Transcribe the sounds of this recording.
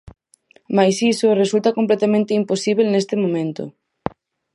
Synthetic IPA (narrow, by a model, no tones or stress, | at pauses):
majsisoresult̪ɐkomp̬let̪amẽnt̪ɪimposiβ̞elnest̪ɪmõmẽnt̪ʊ̰